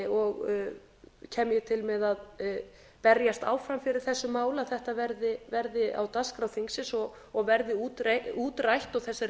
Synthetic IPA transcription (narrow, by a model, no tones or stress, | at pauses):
ɔɣ | cʰɛːmjɛt̪ʰɪlmɛðað | pɛɾjast̪a̰ːwfɾamfɪɾɪɾ̥θɛsːʏmaːwlaθɛht̪avɛɾðɪvɛɾðɪʔa̰wt̪askɾawθiŋsɪnsɔ | ɔɣvɛɾðɪuːt̪ɾeuːt̪ɾajht̪ɔɣθɛsːaɾ